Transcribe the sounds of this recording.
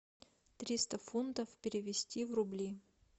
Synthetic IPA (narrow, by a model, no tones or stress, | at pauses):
t̪ɾʲist̪əfunt̪əfpʲɪɾʲɪvʲɪsʲtʲivrʊblʲi